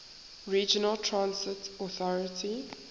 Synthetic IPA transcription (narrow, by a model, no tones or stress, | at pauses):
ɹiːd͡ʒənəltʰɹãnsɪtɔθɔɹətʰi